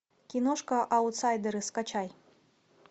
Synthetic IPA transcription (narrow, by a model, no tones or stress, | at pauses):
kʲinɔʂkɐʔɐwt̪sajd̪ɛɾɨskat͡ɕaj